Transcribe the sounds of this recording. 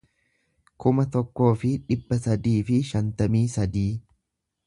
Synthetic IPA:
kʊmɐt̪ɔkːo̞ːfɪᶑɪbːɐsɐd̪iːfɪʃɐnt̪ɐmiːsɐd̪iː

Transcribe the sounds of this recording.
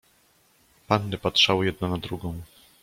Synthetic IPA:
panːɘpatʂawɘjɛd̪̚nanad̪ɾuɡɔ̃w̃

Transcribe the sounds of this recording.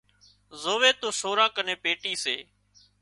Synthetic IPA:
zoːʋeːt̪oːsoːɾãːkənẽːpeːʈiːseː

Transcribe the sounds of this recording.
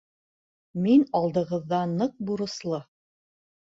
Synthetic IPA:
minɑlˠd̪ɤ̆ʁɤ̆ðːɑnɤq̚buɾɤ̆slˠɤ

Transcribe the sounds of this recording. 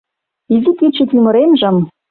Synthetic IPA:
izikʲit͡ɕːet̪imɤ̆ɾemʒɘ̆m

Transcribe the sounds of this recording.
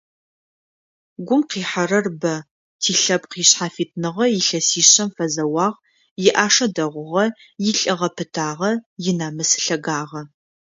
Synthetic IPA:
ɡʷʊmqiːħarɐrbɐ | tʰiːɬɐp̚qiːɕħaːfiːt̚ʰnɨʁɐjɪɬɐsiːɕɐmfɐzɐwɑːʁ | jɪʔaːʂɐdɐʁʷʊʁɐ | jɪɬʼɨʁɐpʰɨtʰaːʁɐjɪnaːmɨsɨ̥ɬɐɡaːʁɐ

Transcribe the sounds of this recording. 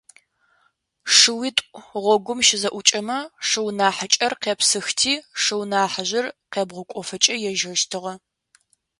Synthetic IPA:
ʂɨwiːtʷʼʁʷɔɡʷʊmʃɪzɐʔʷʊt͡ʃʼɐmɐʂɨwnaːħət͡ʃʼɐrqeːpsɨxtʰiːʂɨwnaːħaʑɪrqeːbʁʷʊkʷʼɔfɐt͡ʃʼɐjɛʒɐʃtʰɨʁɐ

